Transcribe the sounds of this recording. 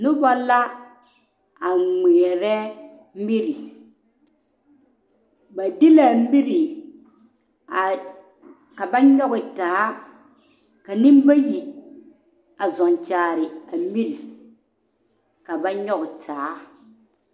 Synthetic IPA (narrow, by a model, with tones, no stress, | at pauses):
nʊ˦bɔ˦la˦ | a˨ŋ͡me˨ɛ˨ɾɛ˦ | mi˦ɾi˨ | ba˨dɪ˦la˨˦mi˦ɾi˨ | ka˨ba˦ɲɔ˦ɣɪ˨taː˨˦ | ka˨nɪ˦mba˦ji˨ | a˨zɔ˨n˨t͡ʃaː˨ɾɪ˨a˨mi˦ɾi˨ | ka˨ba˦ɲɔ˦ɣɪ˨tʰaː˨˦